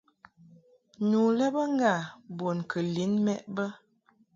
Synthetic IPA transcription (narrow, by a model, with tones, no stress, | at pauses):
nu˨lɛ˦bə˦ŋ˦ɡa˦˨bo˨nkʰə˨li˨˦nmɛ˦ʔbə˦